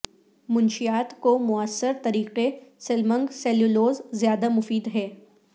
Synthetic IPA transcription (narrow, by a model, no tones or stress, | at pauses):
mʊ̃nʃijaːt̪komʊəsːəɾt̪ɐɾiːqesɪlmə̃ŋɡsɛːljuloːzzjaːd̪amʊfiːd̪ɦɛː